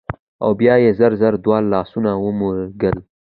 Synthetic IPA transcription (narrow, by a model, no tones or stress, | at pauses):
a̰wbjɑjezəɾzaɾd̪wɑlːɑsunawəmuɾɡəl